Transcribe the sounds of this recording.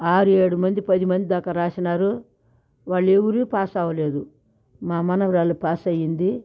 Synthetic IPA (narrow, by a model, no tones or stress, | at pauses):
aːɾueːɽumɐnd̪ipɐd̪imɐnd̪id̪aːkɐɾaːsinaːɾu | ʋaːɭːewuɾiːpaːsaːʋɐle̞ːd̪u | maːmɐnɐʋɾaːlːupaːsɐjind̪i